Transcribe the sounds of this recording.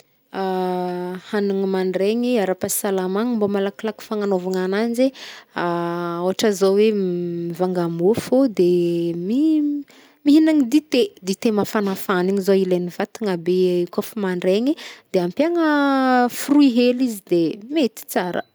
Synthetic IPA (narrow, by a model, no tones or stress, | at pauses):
a | haniŋimaɳɖ͡ʐeɲiaɾapasalamaŋimbomalakilaki̥faŋanovaŋananzeaoɦaʈ͡ʂəzowemivaŋɡamofod̪emi | miɦinaŋid̪it̪ed̪it̪emafanafaniŋizoilenivat̪iŋabekofumaɳɖ͡ʐeɲid̪̥eampjaŋəfuruiɦelizid̪emet̪i̥t͡saɾə̰